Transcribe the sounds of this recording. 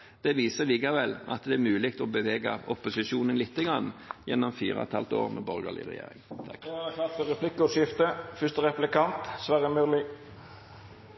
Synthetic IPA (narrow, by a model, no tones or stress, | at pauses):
d̪̥ɛʋiːsəliːkɑʋɛlɑ̰t̪d̪ɛæɾmʉːlɪɡt̪ɔbəʋeːɡɑ̰ɔpʊsɪʃuːnənlɪt̪ːəɡɑnːjɛ̰nːɔmfḭːʁəɑ̰t̪ʰɑlt̪o̰ːʁmʔɛbɔɾɡəlɪ̰ʁɛ̰jḛːɾɪ̰ŋt̪ʰk̪ɑt̪fɔɾɛpʰlɪkːɔsjɪft̪əfʏst̪əʁɛplɪkɑnt̪sʋæɾəmølɪ